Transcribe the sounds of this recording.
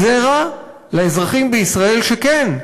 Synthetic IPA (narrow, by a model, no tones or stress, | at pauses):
zeʁa | laezʁaχimbeisʁae̞lʃeken